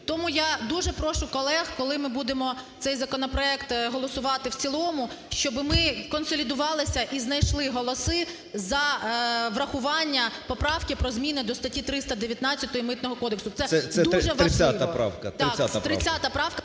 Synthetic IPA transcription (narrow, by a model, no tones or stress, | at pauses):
t̪ɔmujad̪uʒɛpɾɔʃʊkɔlˠɛɣkɔlˠɪmɪbud̪emɔt̪sɛjzɐkɔnɔpɾɔɛkt̪ɦɔlˠɔsʊʋɑt̪ɪwt͡sʲilˠɔmʊ | ʃt͡ʃɔbɪmɪkɔnsɔlʲid̪ʊʋɑlˠɪsʲɐʔiznɐjʃlˠɪɦɔlˠɔsɪ | zɐʋɾɐxʊʋɑnʲːɐpɔpɾɑwkɪpɾɔzmʲinɪd̪ɔst̪ɐtʲit̪ɾɪst̪ɐd̪eʋʲjɐt̪nɑt͡sʲːɐt̪ɔjimɪt̪nɔɦɔkɔd̪eksʊt̪sɛsɛsɛd̪ɾʒɛʋɐɪat̪ɐpɾɑ̰wkɐt̪ɑkat̪ɾɪat̪ɐpɾɑwkɐ